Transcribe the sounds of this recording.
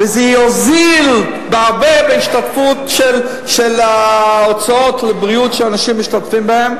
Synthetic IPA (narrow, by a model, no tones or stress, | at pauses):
vɛzɛozil | bɪaʁbebeiʃtatfutʃɛl | ʃɛlaot͡saot̪lebʁiutʃɛanaʃimːiʃtatfimbahɛm